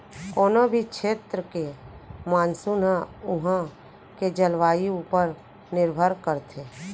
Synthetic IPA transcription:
koːnobʱikʃʰeːt̪ɾəkemaːnsunaʊɦã | ked͡ʒəlʋaːiuːpəɾ | nɪɾbʱəɾkəɾt̪ʰeː

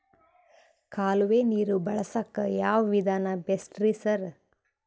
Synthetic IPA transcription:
kʰaːluʋeːniːɾubɐɭɐsɐkːɐjaːʋɐʋid̪ʱaːnɐbesʈɾisɐɾ

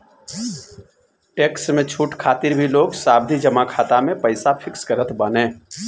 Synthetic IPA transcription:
ʈeːksmẽt͡ʃʰuːʈkʰaːt̪ɪɾbʱiloːɡsaːbd̪ʱid͡ʒɐmakʰaːt̪amẽpɐɪsafɪksɡəɾət̪ʰbanẽː

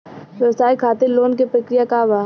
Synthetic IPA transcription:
ʋjɐʋsaːikʰaːt̪eloːnkepɾɐkɾijakaʋaː

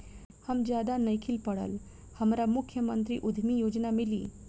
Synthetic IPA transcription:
həmd͡ʒjaːd̪anɐikʰɪlpəɽə̰l | hɐmɾamʊkʰjəmə̃nt̪ɾḭʔʊd̪ʱmijoːd͡ʒnamɪlḭː

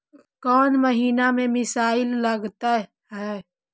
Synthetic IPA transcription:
kɔːnməɦiːnamẽmɪsaːɪlːəɡt̪aɦ | ɦɛː

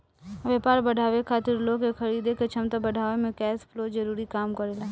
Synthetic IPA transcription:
ʋjɐpaːɾbɐɽʱaːʋekʰaːt̪ɪɾlokexʰɐɾiːd̪eket͡ʃʰɐmt̪abɐɖʱaːʋemẽkɛːspʰloːd͡ʒɐɾuːɾikaːmkɐɾelaː

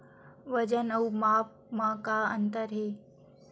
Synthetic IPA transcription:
ʋəd͡ʒənəwmaːp̚ | makaənt̪əɾɦeː

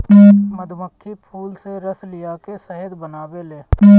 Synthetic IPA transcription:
məd̪ʱməkʰːipʰuːlseɾəslɪjakesəɦəd̪bənaːʋeleː

